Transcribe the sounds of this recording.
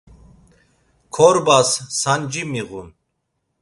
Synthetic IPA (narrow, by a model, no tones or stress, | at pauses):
kʰɔɾbasːand͡ʒimiɣun